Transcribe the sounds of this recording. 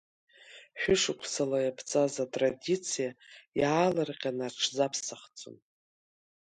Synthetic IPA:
ħʷᶣʊʂɨkʷʰsalajapʰt͡sʼazatʼradit͡sʰijajalarqʲʼanaʈ͡ʂʰzapʰsaχt͡sʼʊ̰n

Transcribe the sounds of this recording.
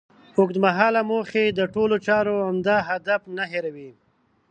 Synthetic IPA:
ʊkd̪maɦɑːlamoxed̪əʈolot͡ʃɑɾoamd̪ɑɦad̪afnaɦeɾawi

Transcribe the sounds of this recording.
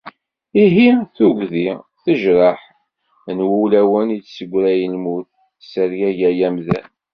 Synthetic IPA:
iɦiθuʝðiθəʒɾˤɑħ | nwuwlæwənit͡ssəɡʷːɾæjəlmuθ | səɾjæʝæjæmðæ̰n

